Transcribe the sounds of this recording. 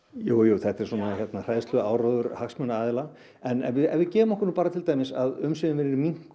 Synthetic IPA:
joːwjoːθɛht̪ɛɾ̥swɔːnaçjɛt̪nar̥ajðst̪lʏaːwɾɔːðʏɾ̥haksmœnaaːðɪla | ɛnvɪðɛvɪðcɛːvʏmɔhkʏɾnuːpaːɾat̪ʰɪlt̪ajmɪsaðʏmsɛvɪnvɪɾɪɾmiŋ̥k

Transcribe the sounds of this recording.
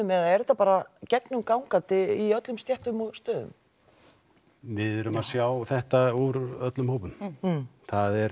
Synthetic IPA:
ʏmɛðaɛɾɛt̪apaːɾacɛknʏmkawŋkant̪ɪiœt̪lʏmst̪jɛht̪ʏmɔɣst̪œːðʏ̰m | vɪðʏɾʏmaðsjaːwθɛht̪auɾœt̪lʏmhoːpʏn | θaðɛɾ

